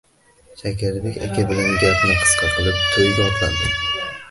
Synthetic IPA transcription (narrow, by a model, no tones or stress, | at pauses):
ʃʰakʲɪɾd̪ɪkʲa̰kʲʰabɪlanɡʲap̪nɪqʰɨ̥sqʰɑqʰɨlˠɪp̚t̪ʰojɡʲaɒt̪land̪ɪm